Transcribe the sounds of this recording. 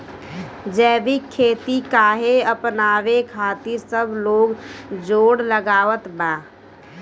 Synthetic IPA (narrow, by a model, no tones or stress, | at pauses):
d͡ʒɛːbikʰːeːt̪ikaːɦeəpnaːʋekʰaːt̪iɾsəbʱloːɡd͡ʒoːɽləɡaːʋət̪baː